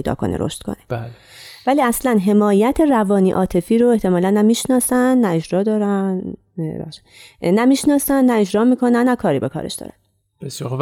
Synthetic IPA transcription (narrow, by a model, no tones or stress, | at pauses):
ejd̪ɒ̰ːkʰo̞̰nḛɾo̰ʃt̪kʰo̰ne̥bæl | væliːæslænɦe̞mɒːjæt̪ʰe̞rævɒːniːʔɒːt̪ʰe̞fiːɾoe̞ht̪ʰe̞mɒːlænːæmiːʃnɒːsænːæe̞d͡ʒɾɒːd̪ɒːɾæn | bæ̰ʃː | æmiːʃnɒːsænːæe̞d͡ʒɾɒːmiːkʰo̞nænːækʰɒːɾiːbekʰɒ̰ːɾe̞̰ʃd̪ɒ̰ːɾæ̰n | b̥esjɒ